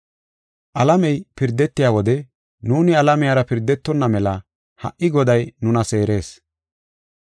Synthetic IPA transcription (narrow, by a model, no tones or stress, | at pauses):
ʔɐlɐmɛjpɪɾd̪ːɛt̪ːɪjaːwɔd̪ɛ | nuːnɪɐlɐmɪjaːɾɐpɪɾd̪ːɛt̪ːɔnːɐmɛlɐ | hɐ̰ʔːɪɡɔd̪ɐjnʊnɐse̞ːɾe̞ːs